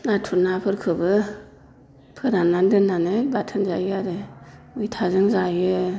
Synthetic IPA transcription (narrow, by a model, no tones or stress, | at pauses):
natʰuɾnapʰɯɾkʰɯbɯ | pʰɯɾanandɯnːanɯbatʰɯnzajɯaɾemɯjtʰazɯŋzajɯ